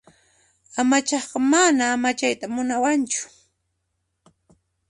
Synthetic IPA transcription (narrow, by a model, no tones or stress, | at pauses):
amat͡ʃɑχqɑmanaːmat͡ʃajt̪amʊnawant͡ʃʊ̥